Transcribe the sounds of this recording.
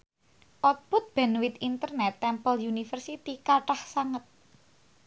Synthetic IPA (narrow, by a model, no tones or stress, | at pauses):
ʔɔt̪̚pʊt̪̚b̥ɛ̤nwit̪int̪ərnɛt̪ːɛmpəljunifərsit̪ikaʈahsaŋət̪̚